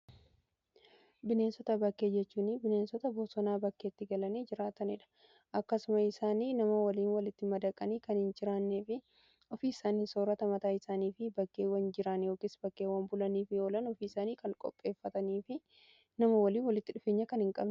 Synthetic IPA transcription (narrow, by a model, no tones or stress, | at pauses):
bɪne̞ːnsɔt̪ɐbɐkːe̞ːd͡ʒɛt͡ʃːuːnɪbɪneːnsɔt̪ɐbɔsɔnaːbɐkːeːt̪ːɪɡɐlɐniːd͡ʒɪɾaːt̪ɐnɪᶑɐ̥ | ʔɐkːɐsʊmɐɪsaːniːnɐmɐwɐliːnwɐlɪt̪ːɪmɐd̪ɐkʼːɐniːkɐnhɪnd͡ʒɪɾaːnːeːfɪ | ɔfiːɪsaːniːsoːɾɐt̪ɐmɐt̪aːɪsaːniːfɪbɐkːeːwɐnd͡ʒɪɾɐnjo̞ːkɪsb̥ɐkːeːwɐmbʊlɐniːfɪjoːlɐnɔfiːɪsaːniːkɐŋkʼɔ̰pʼːe̞ːfːɐt̪ɐniːfɪ | nɐmɐwɐliːnwɐlɪt̪ːɪᶑʊfeːɲːɐkɐnhɪŋkʼɐ̰bn